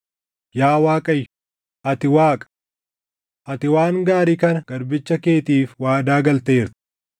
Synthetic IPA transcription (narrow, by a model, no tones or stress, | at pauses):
jaːwaːkʼɐjː | ʔɐt̪ɪwaːkʼɐ̥ | ʔɐt̪ɪwaːŋɡaːɾikɐnɐɡ̥ɐɾbɪt͡ʃːɐke̞ːt̪iːfwaːd̪aːɡɐlt̪eːɾt̪ɪ̥